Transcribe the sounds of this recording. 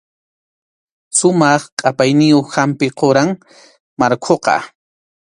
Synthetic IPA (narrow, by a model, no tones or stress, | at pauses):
sʊmɑχqʼapajnɪjoχhampɪqoɾaŋ | maɾkʰoqɑ̰